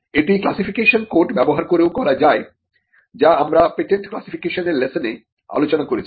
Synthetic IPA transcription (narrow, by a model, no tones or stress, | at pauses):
eʈiklasifikeʃonkoɾʈbɛboɦaɾkoɾewkɔɾad͡ʑae | d͡ʑaamɾapeʈeɳʈklasifikeʃoneɾlesone | a̰lot͡ɕonakoɾet͡ɕʰi